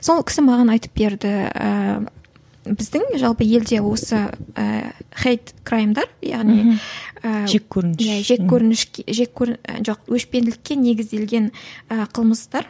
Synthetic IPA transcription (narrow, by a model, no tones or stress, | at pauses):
so̞lˠkʲɪ̥sɪmɑʁɑnɑjt̪ə̥p̚be̞ɾd̪ɪə̰ | bɪzd̪ɪŋʒɑlˠpəje̞ld̪e̞wo̞səə̰χʲejt̪kʰrajmd̪ɑɾjɑ̰ʁnijəekʲʰːɵɾnjæʒe̞kʲʰːɵɾɪnɪʃʒekʲʰːɵɾʒo̞qwɵʃpe̞nɪlɪkʲːe̞ne̞ɡʲɪzd̪e̞lɡʲe̞nəqʰəlˠməzt̪ɑɾ